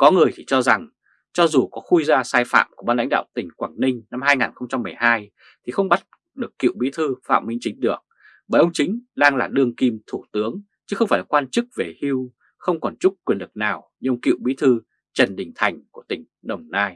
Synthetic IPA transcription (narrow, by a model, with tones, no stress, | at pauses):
kɔ˨˦ŋɨ˨˩əjt̪ʰi˨˩t͡ɕɔ˧za˨˩ŋ | t͡ɕɔ˧zu˨˩kɔ˨˦xu˧jzaː˧saː˧jfa̰ː˧˨mku˧˩əɓaː˧nl̰a˧˥ŋ̟ɗa̰ː˧˨wt̪ï˨˩ŋ̟kwaː˧˩ŋnï˧ŋ̟na˧mhaː˧jŋaː˨˩nxə˧wŋ͡mt͡ɕa˧mːɨ˨˩əjhaː˧j | t̪ʰi˨˩xə˧wŋ͡mɓa˦˥t̚ | ɗɨ˨˩əkːḭ˧˨wɓi˨˦t̪ʰɨ˧fa̰ː˧˨mmi˧˦t͡ɕï˨˦ŋ̟ɗɨ˨˩ək̚ | ɓaː˨˩jʔə˧wŋ͡mt͡ɕï˨˦ŋ̟ɗaː˧ŋlaː˨˩ɗɨ˧əŋki˧mt̪ʰu˧˩t̪ɨ˨˦əŋ | t͡ɕɨ˨˦xə˧wŋ͡mfaː˧˩la˨˩kwaː˧nt͡ɕɨ˦˥k̚ve˨˩hi˧w | xə˧wŋ͡mkɔ˨˩nt͡ɕʊ˦˥k͡p̚kːwi˨˩ənlɨ˨˩k̚naː˨˩wɲɨ˧kḭ˧˨wɓi˨˦t̪ʰɨ˧ | t͡ɕə˨˩nɗï˨˩ŋ̟t̪ʰa˨˩jŋ̟ku˧˩ət̪ï˧˩ŋ̟ɗə˨˩wŋ͡mnaː˧j